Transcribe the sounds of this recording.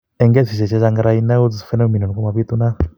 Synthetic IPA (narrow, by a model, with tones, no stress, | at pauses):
ɛ˨ŋɡɛ˦si˨ʃɛ˨t͡ʃɛ˧ʃa˧ŋɡa˧ɾa˧i˧na˦u˦t͡ssfɛ˦nɛ˦˧mi˨nɔ˨n˨kɔ˦ma˨βi˦t̪u˦na˦